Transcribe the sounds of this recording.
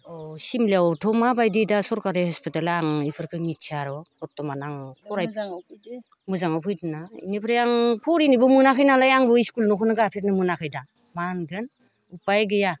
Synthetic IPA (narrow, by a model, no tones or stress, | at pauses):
ɔsimliawtʰɔmabajdidasɔɾkaɾihɔspitalaŋipʰɯɾkʰɯŋitt͡ʃʰiaɾɔkɔtɔmanaŋpʰɔɾajpʰ | mɯzaŋawpʰɯjdɯnaḭnipʰɯɾjaŋpʰɔɾinibɔmɯnakʰɯjnalajaŋbɯiskulnɔkʰɔnɯɡapʰiɾnɯmɯnakʰɯjda | manɡɯn | upajɡɯja